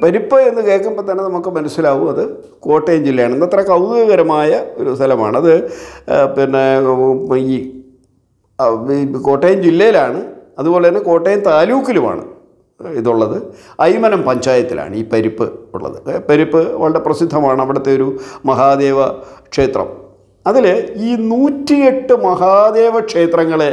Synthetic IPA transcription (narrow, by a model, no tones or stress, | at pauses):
pɐɾipːɨe̞nːɨke̞ːkːɐmbot̪ːɐnːenɐmukːɨmɐnɐsjilaːʋumɐðɨ | ko̞ːʈːejɐmd͡ʑilːɐjaːɳɨend̪ɐt̪rɐkɐwɣɐɣɐɾɐmaːjɐo̞ɾust̪ʰɐlɐma̰ːɳɨɐðɨ | pinːe | iː | ko̞ːʈːejɐmd͡ʑilːɐjilaːɳɨɐðubo̞ːlet̪ɐnːeko̞ːʈːejɐnt̪aːluːkːiluma̰ːɳɨ̰ | iðuɭːɐðɨɐjmɐnɐmpɐɲd͡ʑaːjɐt̪ːilʔa̰ːɳɨiːpɐɾipːɨ̰ṵɭːɐ̰ðɨ̰pɐɾipːɨʋɐɭɐɽeprɐsid̪ʱːɐmaːɳɨɐʋiɽɐt̪ːeo̞ɾumɐɦaːd̪eːʋɐkʂe̞ːt̪rɐ̰m | ɐðileiːnuːtːie̞ʈːɨmɐɦaːd̪e̞ːʋɐkʂe̞ːt̪rɐŋːɐɭe